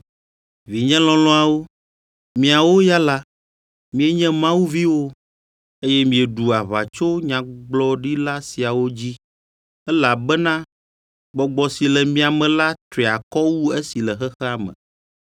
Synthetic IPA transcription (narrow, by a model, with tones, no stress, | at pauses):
vi˨ɲɛ̃˦lɔ̃˨lɔ̃˦a˨wo˦ | mĩ˨a˨wo˦ja˦la˦ | mĩ˨ɛ˦ɲɛ̃˦mã˦wu˦vi˦wo˦ | e˦jɛ˦mĩ˨ɛ˨ɖu˨a˨βa̰˨t͡ʃo˦ɲã˨ɡ͡blɔ˦ɖi˦la˦si˨a˨wo˦d͡ʑi˦ | ɛ˦la˨bɛ˦nã˦ | ɡ͡bɔ˨ɡ͡bɔ˨si˨lɛ˨mĩ˦a˨mɛ̃˨la˦t̪ɾi˨a˨kɔ˦wu˦e˦si˨lɛ˨xɛ˦xɛ˦a˨mɛ̰̃˨